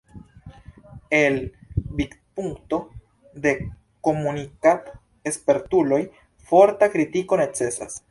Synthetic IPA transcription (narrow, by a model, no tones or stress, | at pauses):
e̞lbik | puŋkto̞ | de̞ | ko̞munikat | espe̞ɾtulo̞j | fo̞ɾtakɾitiko̞ne̞t͡se̞sa̰s